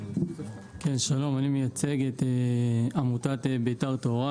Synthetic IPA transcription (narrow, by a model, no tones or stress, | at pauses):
kenʃalo̞manimejat͡se̞ɡet̪eamutat̪ebetaʁt̪o̞ʁa